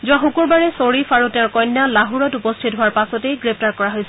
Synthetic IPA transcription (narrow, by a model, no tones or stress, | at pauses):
zuaxukuɹbaɹɛsoɹifaɹutɛ̃ɹkɔjnːalaɦuɹɔtupɔstʰitɦʊaɹpasɔtejɡɹep̚taɹkɔɹaɦojsɛ